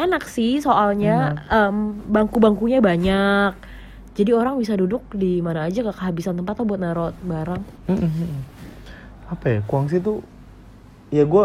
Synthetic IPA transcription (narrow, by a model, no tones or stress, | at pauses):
anaksisoʔalɲaəmbaŋkubaŋkuɲabaɲak̚ | d͡ʒadioɾaŋbis̬adudʊk̚dimanaːd͡ʒakakəɦabisant̪əmpat̪ːabuat̪̚naɾɔt̪̚baɾaŋm̩ | apajakuaŋs̬it̪u | jaɡua